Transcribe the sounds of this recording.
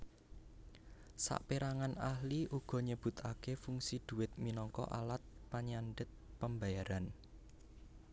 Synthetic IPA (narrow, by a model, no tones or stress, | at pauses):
sa̰ʔpiɾaŋanahliʔuɡ̥ɔ̤ɲəb̥ṳt̪akefuŋsid̪̥ṳwɪt̪̚minɔŋkɔ̰ʔalat̪̚paɲanɖət̪̚pəmbajaɾan